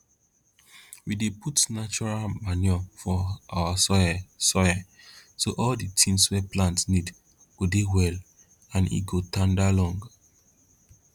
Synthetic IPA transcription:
wideputnat͡ʃɔɹalmanjɔfɔawasɔjasɔa | soʔɔlditʰĩnswɛplãntsnid | ɡodewɛl | ãnḭɡotãndalɔ̃ŋɡ

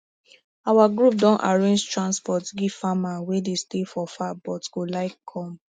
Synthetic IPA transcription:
awaɡɹup̚dɔ̃nʔaɹẽnd͡ʒtɹãnspɔtɡifamawedestefɔfabɔtɡ̥olaɪkʰːɔ̃m

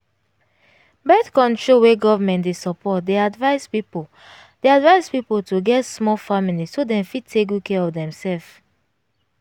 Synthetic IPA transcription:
bɛtkɔ̃ntoweɡɔvamɛ̃ntdesɔpʰɔt̚deadvaɪspipo | deadvaɪzpipoltʰuɡɛtsmɔlfamilisodɛ̃mfid̚tʰekukʰɛɔfdɛ̃msɛlf

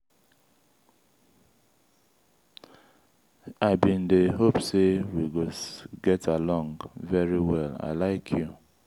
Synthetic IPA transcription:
aɪbĩn̩deɦopsewiɡoɡɛtʰalɔ̃ŋɡvɛɹiwɛla̰laɪkʰju

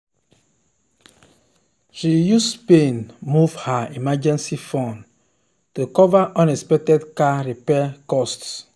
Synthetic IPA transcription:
ʃijuspẽnmuvhaimad͡ʒɛ̃nsifɔ̃n | tukɔvaʔɔ̃nɛspɛk̚tɛdkaɹipɛkɔsts

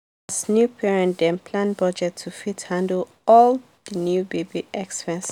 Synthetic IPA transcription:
asnjupʰɛɹɛ̃ndɛ̃npʰlãnbɔd͡ʒɛtʰːufithãndl | ɔl | dənjubebiʔɛkspɛ̃ns

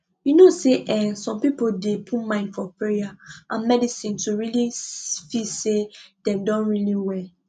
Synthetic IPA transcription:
junoseʔɛsɔ̃mpipodepʰumãɪ̃ndfɔpeaʔãnmɛdisĩntuɹilifisedɛ̃mdɔ̃nɹiliwɛ

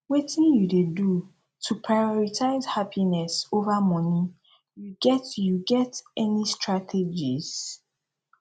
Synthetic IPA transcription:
wetĩnjudedu | tʰupʰɹajɔɹitʰaɪzhapʰinɛsovamɔ̃ni | juɡɛtjuɡɛtɛnistʰɹatʰed͡ʒiz

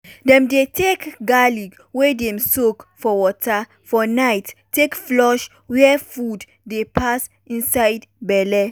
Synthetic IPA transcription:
dɛ̃mdetʰekɡaliɡ | wedɛ̃msokfɔwɔtʰa | fɔnajtːekflɔʃ | wɛfud | depʰas | ĩnsaɪdbɛlɛ

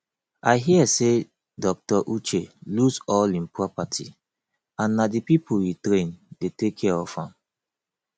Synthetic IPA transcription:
aɪɦiɛse | dɔk̚tɔʔut͡ʃelusɔlĩnpɹɔpatʰḭ | ãnːadipipʰuwitɾẽndetekʰːɛɔfãm

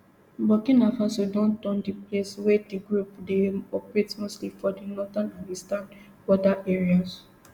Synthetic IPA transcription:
bɔkĩnafãsodɔ̃ntɔ̃ndipleswɛdiɡɹupdeɔpɹetmostlifɔdinɔtãnãnistãn | bɔdaʔɛɹias

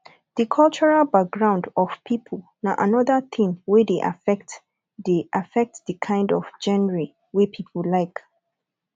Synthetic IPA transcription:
ð̥əkʰɔlt͡ʃɔɹalbak̚ɡɹãʊ̃ndɔv̥pʰipʰəl | naʔanɔðəθʰĩŋwedeʔa̰fɛkt | deʔafɛk̚tðəkʰãɪ̃ndɔv̥d͡ʒɛ̃nɹi | wipʰipʰəllaɪk

